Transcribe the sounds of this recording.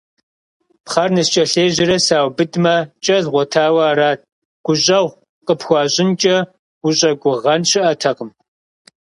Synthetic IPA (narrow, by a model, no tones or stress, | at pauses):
pχɐrnɨst͡ʃʼɐɬeːʑɪɾɐsaːwbɨdmɐt͡ʃʼɐɮʁʷɔtʰaːwɐːɾaːt̚ʰʼ | ɡ̥ʷʊɕʼɐwʷ | qəpxʷɑːɕʼɪnt͡ʃʼɐ | ɡʷʊɕʼɐɡʷʊʁɐnɕɪʔɐtʰɐqəm